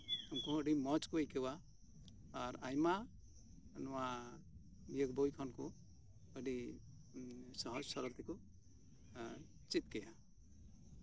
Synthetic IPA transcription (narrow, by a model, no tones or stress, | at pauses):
umkuəɖimɔt͡ʃkuejkewaː | ɾajma | nɔwa | mijəkbojkʰɔnku | əɖi | sɔɦɔd͡ʒsɔɾɔɾt̪ʰiku | t͡ʃit̪̚kɛja